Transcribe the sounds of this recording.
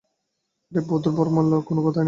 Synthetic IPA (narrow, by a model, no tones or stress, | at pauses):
d̪ebɔd̪oɾbɔɾmalːokonokɔt̪ʰan